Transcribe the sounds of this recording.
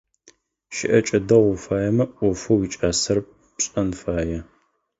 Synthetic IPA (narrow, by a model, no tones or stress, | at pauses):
ʃɪ̰ʔɐt͡ʃʼɐdɐʁʷʊfaːjɛmɐʔʷʊfuwit͡ʃʼaːsɐr | pɕʼɐnfaːjɛ